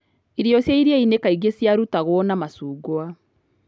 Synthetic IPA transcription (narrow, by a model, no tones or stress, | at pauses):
iɾiɔsjaiɾjainekaiɣesjaɾutaɣwɔnamasuːɡwa